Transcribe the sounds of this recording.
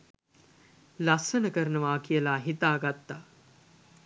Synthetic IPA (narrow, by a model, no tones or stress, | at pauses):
lassənəkəɾənəʋaːkijəlaːɦit̪aːɡat̪ːaː